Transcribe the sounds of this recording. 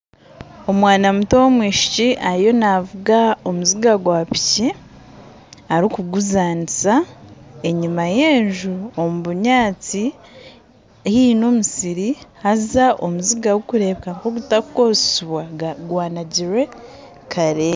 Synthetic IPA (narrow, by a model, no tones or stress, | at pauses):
o̞mwaːnamutowomwiːʃi̥ciʔaɾijo̞navuɡao̞muziɡaɡwaːpi̥ci | aɾikuɡuzaːnisae̞ɲimajeːɲʒuomuβuɲaːt͡si | ehiːnoːmusiɾihazzaʔo̞muziɡawokuɾe̞ːβekaŋkoɡutakukossuβwaɡwaːnaɟiɾwe̞ | kaɾe